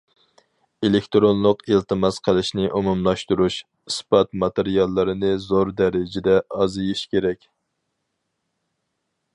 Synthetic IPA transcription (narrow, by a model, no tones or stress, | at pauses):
elekʲt̪ɾonlˠʊqilt̪ɨmɑsqʰəlˠɪʃnɪʔumumlˠɑʃt̪uɾuʃ | ispɑt̪mɑt̪eɾijɑlˠːɨɾɨnɨzoɾd̪æɾɪd͡ʒɪd̪ɛʔɑzɨjiʃkʲʰeɾɛkʲ